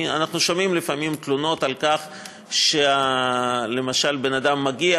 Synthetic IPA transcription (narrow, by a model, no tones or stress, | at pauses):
a̰naχnuʃomimlifamimt̪luno̞t̪alkaχ | ʃea | le̞maʃalbe̞nad̪amːaɡia